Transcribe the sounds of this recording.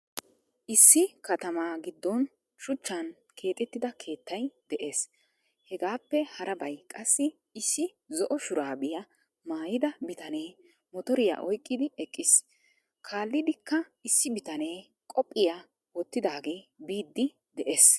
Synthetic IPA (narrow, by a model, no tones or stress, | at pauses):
ʔɪsːɪkɐt̪ɐmaːɡɪd̪ːɔn | ʃʊt͡ʃːɐn | kʰe̞ːt̪ʼɛt̪ːɪd̪ɐkʰe̞ːt̪ːɐjd̪̥ɛʔe̞ːs | hɛɡaːpːɛhɐɾʔɐbɐjkʼɐsːɪ | ɪsːɪ | zɔʔɔʃʊɾaːbɪjɐ | maːjɪd̪ɐbɪt̪ɐne̞ː | mɔt̪ɔɾɪja̰ʔɔjkʼːɪd̪ɪɛkʼːɪs | kʰaːlːɪd̪ɪkːɐɪsːɪbɪt̪ɐne̞ː | kʼɔpʼːɪja | wɔt̪ːɪd̪aːɡe̞ːbiːd̪ːɪ | d̪ɛʔeːs